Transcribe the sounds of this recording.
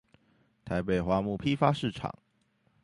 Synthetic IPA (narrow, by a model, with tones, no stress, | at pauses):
t̪ʰa˧˥ɪpe˨˩ɪxwa˧˥mu˥˩pʰi˥fa˥ʂɻ̩˥˩ʈ͡ʂʰɑ̰˨˩˦ŋ